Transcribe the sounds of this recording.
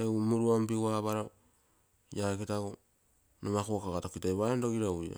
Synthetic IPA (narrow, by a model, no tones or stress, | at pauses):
emuɾuambiɡuaβaɾa | jaekitaɡu | nomakoakaɣatokitajβaendoɡiɾawia̰